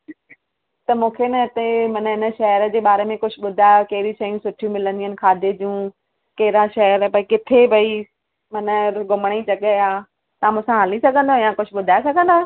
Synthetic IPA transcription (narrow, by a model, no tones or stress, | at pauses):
t̪ɐmũːkʰenɐɪt̪emɐnəɦɪnəʃɐɦəɾəd͡ʑeːɓaːɾemẽkʊd͡ʑʱʊ̆ɓʊd̪ʱaːjokɐɦɪɾiʃɐijũsʊʈʰijũmɪlə̃nd̪iənɪ̆kʰaːd̪ʱed͡ʑũː | kɐɦɪɾaʃɐɦəɾpɐikɪt̪ʰebʱɐi | mɐnəɡʊməɽ̃it͡ɕɐɠəaː | t̪ɐãmũːsãɦɐlisɐɡʱə̃nd̪ojãkʊd͡ʑʰʱʊɓʊd̪ʱaːesɐɡʱə̃nd̪o